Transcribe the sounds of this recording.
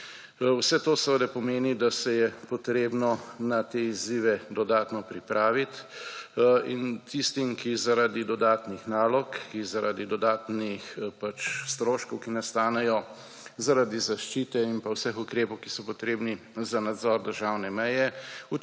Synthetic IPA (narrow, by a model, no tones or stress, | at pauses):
wsɛt̪oːsəʋəd̪ɛpɔmeːnid̪asɛjɛpɔt̪ɾeːbnɔnat̪eiziːʋɛd̪ɔd̪aːt̪nɔpɾipɾʔaːʋit̪ | int̪ist̪imkizaɾad̪id̪ɔd̪aːt̪nixnaːlɔkːizaɾad̪id̪ɔd̪aːt̪nixpat͡ʃst̪ɾoːʃkɔwkinast̪aːnɛjɔ | zaɾad̪izaʃt͡ʃiːt̪ɛinpawsɛxukɾeːpɔwkisɔpɔt̪ɾeːbni | zanad̪zɔɾd̪əɾʒaːwnɛmɛjɛu